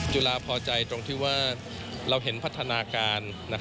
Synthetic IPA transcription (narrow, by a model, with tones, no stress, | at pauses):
t͡ɕu˧laː˧pʰɔː˧t͡ɕa˧jt̪ɾo˧ŋt̪ʰiː˥˩waː˥˩ | ɾa˧wɦe˩˦npʰa˦˥t̪ʰːa˧naː˧kaː˧nːa˦˥